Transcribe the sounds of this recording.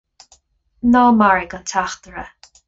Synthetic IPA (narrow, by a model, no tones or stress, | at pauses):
nɔːmaɹɪɡənt̪ʰaxt̪əɹə